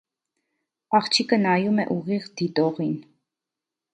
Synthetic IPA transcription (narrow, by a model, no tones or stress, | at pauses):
ɑχt͡ʃʰikənɑjumɛ̰ʔuʁiʁd̪̥it̪ɔʁin